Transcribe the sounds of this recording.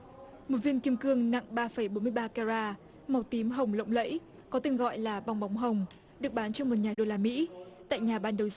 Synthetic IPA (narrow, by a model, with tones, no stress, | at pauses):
mo˨˩t̚vi˧ənki˧əmkɨ˧əŋna̰˧˨ŋɓaː˧fə˧˩jɓo˨˦mɨ˧əjɓaː˧ka˧zaː˧ | ma˨˩wt̪i˨˦mɦə˨˩wŋ͡mlə̰˧˨wŋ͡mlə̰˧˥j | kɔ˨˦t̪ï˧˩ŋ̟ɣɔ̰˧˨jlaː˨˩ɓa˧wŋ͡mɓa˨˦wŋ͡mɦə˨˩wŋ͡m | ɗɨ˨˩ək̚ɓaː˨˦nt͡ɕɔ˧mo˨˩t̚ɲaː˨˩ɗo˧laː˧mḭ˧˥t̪a̰ː˧˨jɲaː˨˩ɓaː˧nɗə˨˩wz